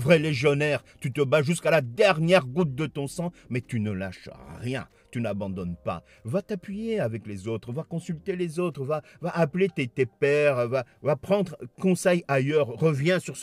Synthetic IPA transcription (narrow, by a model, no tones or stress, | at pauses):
vʁɛleʒjɔnɛʁt̪yt̪əbaʒyskalad̪ɛʁnjɛʁɡut̪̚d̪ət̪ɔ̃sɑ̃mɛt̪ynəla̰ʃʁjɛ̰̃ | t̪ynabɑ̃d̪ɔnpa̰ | vat̪apɥijeavɛklezot̪χvakɔ̃sylt̪elezot̪χva | vaʔːplet̪et̪epɛʁvavapχɑ̃d̪ʁkɔ̃sɛjajœʁːəvjɛ̃syʁs